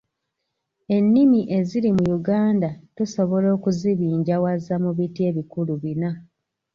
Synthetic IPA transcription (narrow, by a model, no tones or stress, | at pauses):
e̞nːimiʔe̞ziɾimujuɡaːndatuso̞βo̞lo̞ːkuziβiːɲɟawazamuβitie̞ːβikuluβina